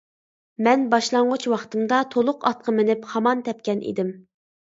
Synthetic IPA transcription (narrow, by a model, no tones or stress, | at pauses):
mɛnbɑʃlˠɑɴʁʊt͡ʃwɑχt̪ɨmd̪ɑt̪ʰolˠʊqɑt̪̚qʰəmɪnɪphɑmɑnt̪ʰɛp̚kʲɛnʔḭd̪ɪm